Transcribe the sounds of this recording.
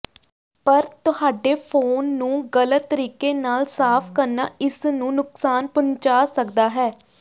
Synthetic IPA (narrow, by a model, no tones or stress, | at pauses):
pəɾt̪ʊhaːɖeːpʰoːnːũːɡələt̪ːəɾiːkeːnaːlsaːpʰkəɾna̰ːɪsnũːnʊksaːnpʊɲt͡ʃaːsəkd̪aːɦɛː